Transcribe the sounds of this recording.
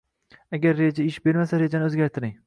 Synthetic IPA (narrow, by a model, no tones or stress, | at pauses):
aɡʲaɾːed͡ʒaɪʃbe̞ɾmasaɾe̞d͡ʒanɪɵzɡʲaɾt̪ʰɪɾɪŋ